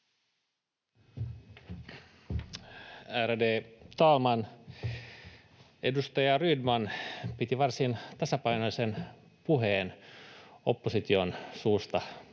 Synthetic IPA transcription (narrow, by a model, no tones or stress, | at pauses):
ærdeːt̪ɑːlmɑn | ʔe̞̰dust̪ɑjɑrydmɑnpit̪iʋɑrsint̪ɑsɑpɑinosen | puɦeːn | o̞pːosit̪io̞nsuːst̪ɑ